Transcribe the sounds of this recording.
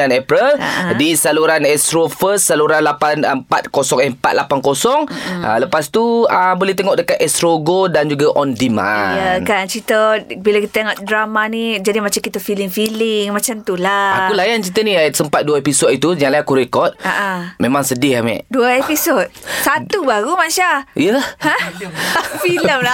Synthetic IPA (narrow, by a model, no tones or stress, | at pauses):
anɛpɾəla̰disaluɾanɛst̪ɾofəssaluɾanlapanmpa̰t̪̚kosɔŋɛmpa̰t̪̚lapankosɔŋa̰ləpast̪uəbolɛht̪eŋɔʔdəkat̪ɛst̪ɾoɡodand͡ʒuɡaʔɔndimã̰jəkant͡ʃit̪əbilakit̪əŋat̪̚dɾamanid͡ʒadimat͡ʃamkit̪əfilɪŋfilɪŋmat͡ʃamt̪ulaaulajant͡ʃit̪əniasəmpat̪̚duəepisɔt̪̚it̪ujaŋlajakuɾekɔt̪̚aʔamemãŋsədɪhamɛ̰ʔduəepisot̪̚sat̪ubaɾumaʃaijəhã | filəmla